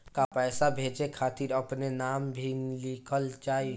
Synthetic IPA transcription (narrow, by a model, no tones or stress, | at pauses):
kapɛːsabʱeːd͡ʒekʰaːt̪iɾɐpnenaːmbʱilikʰəlt͡ʃaːi